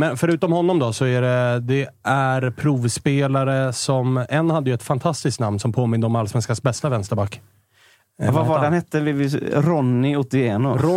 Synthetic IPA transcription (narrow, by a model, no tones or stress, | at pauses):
mɛnfœɾʉ̟ːt̪ɔmhɔnːɔmd̪ɔsɔæɖɛd̪ɛ | æɾpʰɾuːvspeːlaɾəsɔmɛnːhad̪ːəjʏɵɛt̪fant̪ʰast̪ɪsktnamnsɔmpʰoːmɪnd̪əɔmalːsvɛnskasbɛst̪avɛnst̪əɾbakː | vavaɖɛnhɛt̪ːəvɪvɪɾɔnːɪʊt̪̚d̪ɪeːnʊɾɔ